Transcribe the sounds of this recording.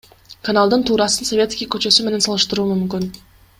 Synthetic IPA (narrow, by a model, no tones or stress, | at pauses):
kanalˠd̪ɯnt̪ʰuːɾɑsənsovʲe̞t̪skʲijkø̞t͡ʃø̞syme̞ne̞nsɑlˠɯʃt̪ɯɾuːmymkʲyn